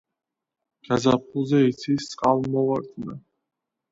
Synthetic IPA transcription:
ɡ̥azap̚ʰulˠzɛit̪sʰisʼqʼalˠmɔvaɾt̪ʼna

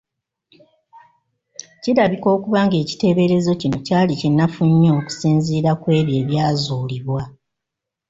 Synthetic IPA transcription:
ciɾaβiko̞ːkuβaːŋɡe̞ːci̥te̞βe̞ɾe̞zo̞cino̞caːlicenːafuɲːo̞ːku̥siːnziːɾakwe̞ːβje̞ːβjaːzuːliβwa

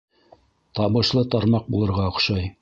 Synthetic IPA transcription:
t̪ɑβɤ̆ʃlˠɤt̪ɑɾmɑq̚bulˠɤ̆ɾʁɑŏqʃɑj

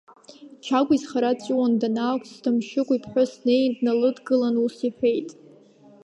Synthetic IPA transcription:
t͡ʃʰakʷizχaɾat͡sʼiwandanaːkʷʰʼsdɨmʃɪkʷʼipʰħʷʊsnejndnalɨdɡɨlanusiħʷᶣe̞jtʼ

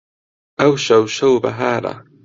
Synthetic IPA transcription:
awʃawʃawba̰ɦaɾa̰

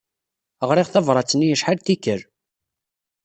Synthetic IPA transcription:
əʁɾɪʁθævɾˤɑt͡sːnijəʃħalt̪ikːəɾ

